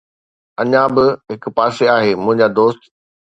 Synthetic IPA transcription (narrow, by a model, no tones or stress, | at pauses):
ɐɲãbɪɦɪk̆paːseaːɦeːmʊ̃ɦɪ̃ɲd͡ʑaːd̪oːst̪